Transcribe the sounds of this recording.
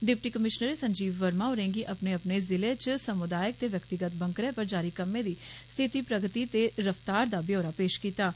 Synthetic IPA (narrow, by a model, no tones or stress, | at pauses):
ɖɪp̚ʈiːkəmɪʃnəɾeːsəɲd͡ʒiːʋːəɾmãːoɾẽːŋɡiːʔəpneːəpneːzɪleːt͡ʃsəmʊd̪aːjək̚t̪eːʋjəkt̪ɪɡət̪̚bə̃ŋkɾẽːpəɾd͡ʒaːɾiːkəmːẽːd̪iːst̪ʰɪt̪iːpɾəɡt̪iːt̪eːɾəft̪aːɾd̪aːbjoːɾaːpeːʃkiːt̪aː